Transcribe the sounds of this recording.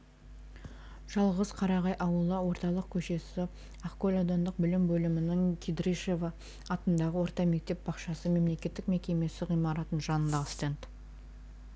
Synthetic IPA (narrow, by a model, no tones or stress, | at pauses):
ʒ̥ɑlˠʁəz̥qʰɑɾɑʁɑjʔɑwəlˠəwo̞ɾt̪ɑlˠəq̚kʲʰɵʃe̞sɪ | ɑχkolʲod̪ond̪əq̚bɪlɪmbɵlɪmɪnɪŋkʲʰid̪ɾiʃevɑː | t̪ənd̪ɑʁəwo̞ɾt̪ɑme̞k̚t̪e̞p̚bɑqʃɑsəme̞mle̞kʲe̞t̪ːɪk̚me̞kʲe̞me̞sɪʁijmɑɾɑt̪ənʒɑnənd̪ɑst̪ent̪